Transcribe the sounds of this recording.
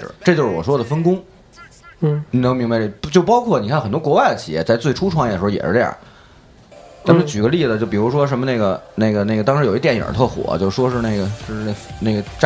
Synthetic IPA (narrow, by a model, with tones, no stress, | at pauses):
ʈ͡ʂɤ˥˧t͡ɕjo˧ʂɻ̩˥˩wɔ˨˩ʂwɔ˥d̪ə˨˩fə˥nkʊ˥ŋ˥ | ni˨˩nɤ˧˥ŋmi˧˥ŋba˧ɪʈ͡ʂt͡ɕjo˥˩ʊpɑ˥ʊkʰwɔ˥˩ni˨˩kʰa˥˩xə˨˩nt̪wɔ˥kwɔ˧˥wa˥˩ɪd̪ə˩t͡ɕʰi˨˩jɛ̰˥˧t͡sa˥˧ɪt͡swe˥˩ɪʈ͡ʂʰu˥ʈ͡ʂʰwɑ˧˥ŋj̪ə˩˧˥jɛ̰˨˩ʂɻ̩˥j̰ | t̪ʰa˥mə˨˥˩t͡ɕy˨˩ɡə˦li˥˩d͡z̩˨˩t͡ɕjo˥˩ʊp̬i˨˩ɻu˧˥ʂ̬wɔ˥ʂ̬ə˧˥nmə˧ne˥˩ɪɡə˩ne˥˩ɪɡə˩ne˥˩ɡə˩t̪ɑ˥ŋʂɻ̩˧jo˨˩ʊi˥t̪jɛ˧˥n˩jə̰˞˨˩t̪ʰɤ˥˩xwɔ̰˨˩˦t͡ɕjo˥˧ʊʂ̩˩ʂwɔ˥ʂɻ̩˥˧ne˥˩ɪɡə˩ʂɻ̩˥˧˥ne˥˩ɡə˩ʈ͡ʂ